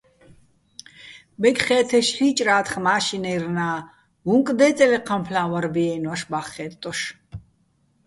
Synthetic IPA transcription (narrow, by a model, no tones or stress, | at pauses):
bɛkχɛːt̪ʰɛʃħiːt͡ʃʼraːt̪χmaːʃinɛjrnaː | vuŋkʼd̪ɛːt͡sʼɛlɛqʰampʰlaːwaɾbiɛnwaʃbaχːɛːtt̪ʼːɔʃ